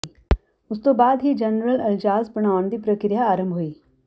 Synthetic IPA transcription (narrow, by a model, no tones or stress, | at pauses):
ʊst̪obaːd̪ɦid͡ʒɐnɾəlɐld͡ʒaːspɐɳ̃aːʋnd̪ipɾəkɾɪjaːɾə̃mbʱɦuiː